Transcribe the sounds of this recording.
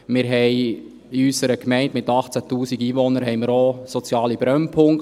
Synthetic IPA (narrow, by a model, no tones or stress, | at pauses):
mɪɾɦɛɪ | ɪysəɾəkmɛɪntmɪtɑχt͡sætuːsiɡiːʋɔnəɾɦɛɪmɪːɾosɔt͡sjɑːlibɾœnpʰʊŋk